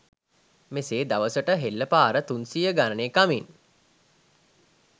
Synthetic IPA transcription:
meseːd̪aʋəsəʈəɦelːəpaːɾət̪unsijəɡanəneːkamin

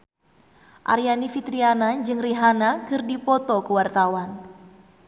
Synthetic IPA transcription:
ʔa̰ɾijanifit̪ɾianad͡ʒɨŋriɦanakɨrdipɔt̪ɔkəwart̪awan

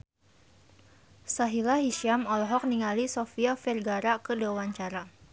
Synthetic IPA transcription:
saɦilaɦiʃiamɔlɔɦɔk̚niŋalisofiafɛrɡaɾakədewaɲt͡ʃaɾa

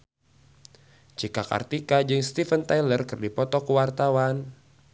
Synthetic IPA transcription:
t͡ʃikaka̰rt̪ikad͡ʒɨŋst̪ifənt̪ajlərkɨrdipɔt̪ɔkuwart̪awan

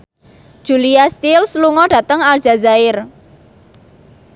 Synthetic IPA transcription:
d̥ʒ̥uliast̪ilsluŋɔɖ̥ä̤t̪əŋal̥ʒ̥a̤zaɪr

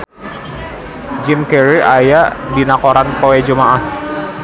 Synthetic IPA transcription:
d͡ʒimkɛɾiajaʔdinakoɾanpoɛd͡ʒumaʔah

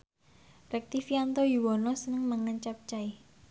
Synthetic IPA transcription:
rɛk̚t̪ifiant̪ojuwɔnɔsənəŋməŋəɲt͡ʃap̚t͡ʃai

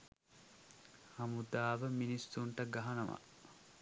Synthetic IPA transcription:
hɐmud̪aːʋəminisːuɳʈɐɡaɦɐnɐʋa̰

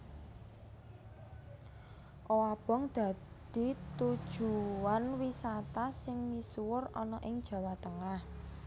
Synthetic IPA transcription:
ʔowab̥ɔ̤ŋd̪̥a̤d̪̥i̤t̪ud̥ʒ̥uanwisat̪asɪŋmisuwʊrɔnɔʔɪŋd̥ʒ̥a̤wat̪əŋah

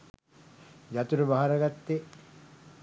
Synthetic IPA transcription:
d͡ʒat̪uɾəbaɦaɾɐɡat̪ːe

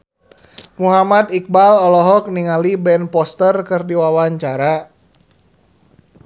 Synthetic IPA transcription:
muɦamad̪ik̚balɔlɔɦɔk̚niŋalibɛnpɔst̪ərkɨrdiwawaɲt͡ʃaɾa

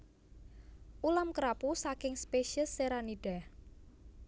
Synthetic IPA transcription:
ʔulamkɾapusakɪŋspeʃiəsːeɾaniɖ̥ah

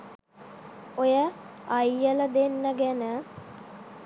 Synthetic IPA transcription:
ojəajːələd̪enːəɡænə

